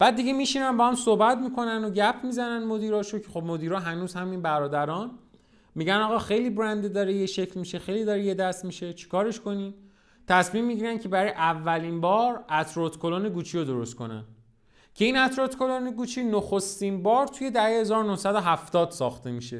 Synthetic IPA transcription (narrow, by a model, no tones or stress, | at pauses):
b̥æːd̪̚ːiɟe̞miːʃinænmbɒːhæmsohbæt̪mikʰo̞nænoɟæpʰmizænænmod̪iːɾɒːʃocʰexo̞bmo̞d̪iːɾɒːɦænuːzhæminbæɾɒːd̪æɾɒn | miːɟænɒːɣɒːxejliːbɾænd̪ed̪ɒːɾejeʃe̞cʰlmiʃe̞xejliːd̪ɒːɾeje̞d̪æst̪miʃe̞t͡ʃʰi̥kʰɒːɾe̞ʃkʰo̞nim | t̪ʰæsmiːmːiɟiːɾæncʰe̞bæɾɒjʔævːæliːnbɒːɾæt̪ʰɾot̪kʰoloneɡuːt͡ʃʰiod̪o̞ɾo̞st̪ko̞̰næ̰n | cʰe̞inæt̪ɾot̪kʰoloneɡuːt͡ʃʰiːnoxost̪inbɒːɾt̪ʰujed̪æhehezɒːɾonohsæd̪o̞ɦæft̪ɒːd̪̥sɒ̰ːxt̪e̞miʃe̞